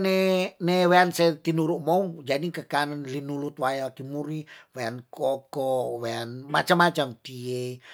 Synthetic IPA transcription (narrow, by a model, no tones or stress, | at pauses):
neneweanset̪inuɾuʔmɔud͡ʒadikəkanənlinulut̪̚wajakimuɾiweankɔkɔweanmat͡ʃamːat͡ʃamt̪ie